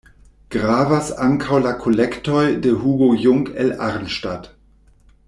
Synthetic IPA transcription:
ɡ̥ʁaːvasaŋkʰawlakʰolɛktɔjdəhuɡojʊŋkɛlaɾnʃtat

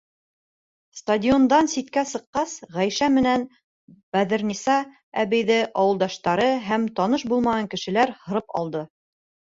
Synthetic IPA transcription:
st̪ɐdʲio̞nd̪ɑnsit̪kæsɤ̆qːɑsʁæjʃæmɘ̆næn | b̥æðɘ̆ɾnisɑ | æβɘ̆jðɘʔɑwɤ̆lˠd̪ɑʃt̪ɑɾɤɦæmt̪ɑnɤʃbulˠmɑʁɑŋkɘ̆ʃɘ̆læɾhɤ̆ɾɤpɑ̰lˠd̪ɤ

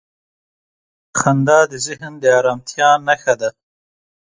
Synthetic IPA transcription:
xɐnd̪ɑːd̪izɪɦnd̪eaːɾaːmt̪ʰjɑːnːɐxɐd̪a

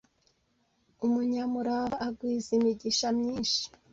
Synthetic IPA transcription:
umuɲamuɾaβaːɡwiːzimiɟiʃamɲiːnʃi̥

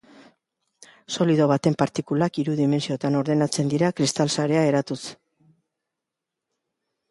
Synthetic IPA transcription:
so̞liðo̞β̞at̪e̞mpaɾt̪ikulakiɾuðime̞nsio̞t̪ano̞ɾðe̞nat͡se̞nd̪iɾakɾist̪alsaɾe̞ae̞ɾat̪us

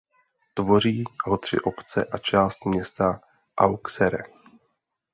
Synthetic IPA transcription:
t̪vo̞r̝iːɦo̞t̪r̝̥ɪ̰ʔo̞pt͡sɛ̰ʔat͡ʃaːst̪mɲɛst̪a | ʔawksɛɾɛ

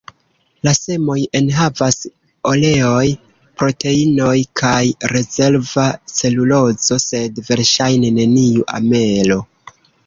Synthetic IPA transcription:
lase̞mo̞je̞nɦavas | o̞le̞o̞j | pɾo̞te̞ino̞jkʰajɾe̞ze̞ɾvase̞lulo̞zo̞se̞dve̞ɾʃajne̞ne̞niuʔa̰me̞lo̞

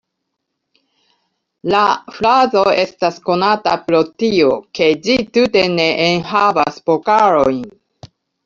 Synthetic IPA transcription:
lafɾazo̞e̞stasko̞natapɾo̞tio̞ke̞d͡ʒitute̞ne̞ʔenɦava̰spo̞kaɾo̞jn

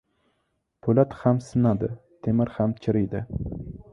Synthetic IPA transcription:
pʰolat̪hamsɪnad̪ɪt̪ʰemɪɾhamt͡ʃʰɪɾɪjd̪ɪ

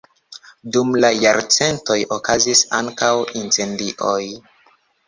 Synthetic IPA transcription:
dumlajaɾt͡se̞nto̞jʔokazisa̰ŋkawint͡se̞ndiʔoj

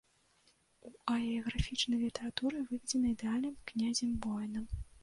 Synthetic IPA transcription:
uɐlʲiɐɣɾafʲit͡ʂnɐjlʲit̪ɛɾat̪uɾɨvɨvʲɛd͡zʲɛnɐid̪ɛalʲnɨmknʲazʲɛmbɔjnɐm

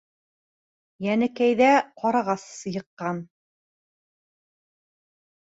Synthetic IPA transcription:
jænɘ̆kæjðæqɑɾɑʁɑsːɤ̆jɤ̆qːɑn

